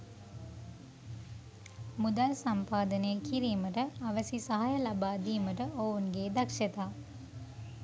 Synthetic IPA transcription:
mud̪alsampaːd̪ənəjəkiɾiːməʈəaʋəsisaɦajəlabaːd̪iːməʈəʔounɡeːd̪akʂet̪aː

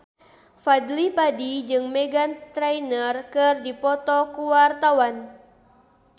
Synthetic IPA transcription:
fadlipadid͡ʒɨŋmeɡant̪ɾɛjnərkɨrdipɔt̪ɔkuwart̪awan

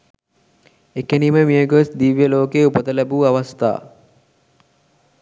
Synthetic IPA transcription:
ekeniːməmijəɡəsd̪iʋjəloːkeːupət̪əlæbuːaʋast̪a̰ː

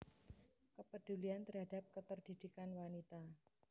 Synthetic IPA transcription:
kəpəɖ̥ṳliant̪ərɦada̤p̚kət̪ərd̥id̪̥ikanwanit̪a

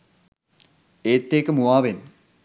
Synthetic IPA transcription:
eːt̪ːeːkəmuaːʋen

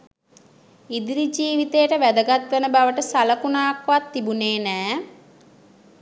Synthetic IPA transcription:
id̪iɾid͡ʒiːʋit̪ejəʈəʋæd̪əɡat̪ʋenəbaʋəʈəsaləkunaːkʋat̪ːibuneːnæː

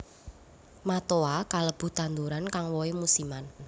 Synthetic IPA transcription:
mat̪oakaləb̥ṳt̪and̪uɾankaŋwɔemusiman

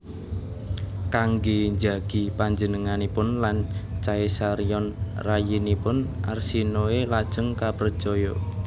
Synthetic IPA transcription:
kaŋɡeɲd͡ʒaɡ̥i̤paɲd͡ʒənəŋanipʊnlant͡ʃaesaɾijɔnrajinipʊnʔa̰rsinoelad̥ʒ̥əŋkapər̥ʒ̥ɔjɔ

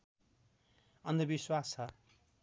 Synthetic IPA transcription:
ʌnd̪ʱʌbiswasʌ

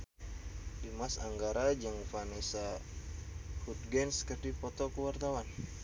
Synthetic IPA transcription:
dimasa̰ŋɡaɾad͡ʒaŋfanɛsa | hut̪̚ɡɛnskərd̪ipɔt̪ɔkəwart̪awan

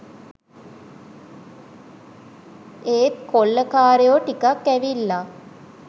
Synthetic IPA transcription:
eːt̪̚kʰolːəkaːɾejoʈikakːæʋilːa

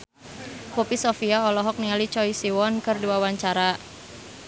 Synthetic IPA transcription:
pupisofiaɔlɔɦɔk̚niŋalit͡ʃɔisiwɔnkɨrduawaɲt͡ʃaɾa

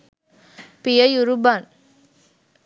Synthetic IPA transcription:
pɪjɐjuɾubaːn

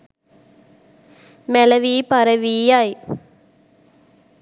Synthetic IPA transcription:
mɛlɐʋiːpɐɾɐʋiːjaːj

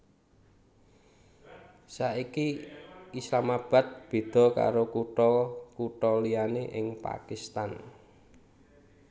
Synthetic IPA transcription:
saikiislamab̥a̤t̪̚b̥e̤d̪̥ɔ̤ka̰ɾokuʈɔkuʈɔlianeʔɪŋpa̰kist̪an

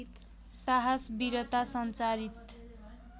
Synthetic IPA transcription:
t̪ | saɦasbiɾʌt̪asʌnt͡saɾit̪

